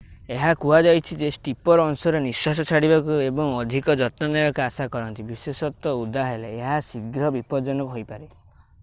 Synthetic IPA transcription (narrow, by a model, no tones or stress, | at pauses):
eɦakuad͡ʒajt͡ʃʰid͡ʒesʈipɔɾɔnsɔɾenisas̬ɔt͡ʃʰaɽibakuebɔŋɔd̪ʱikɔd͡ʒɔt̪nɔnɔjɔkasakɔɾɔnt̪ibisesɔt̪ɔud̪ʱaɦeleːɦasiɡɾɔbipɔd͡ʒɔnɔkuɦojpaɾe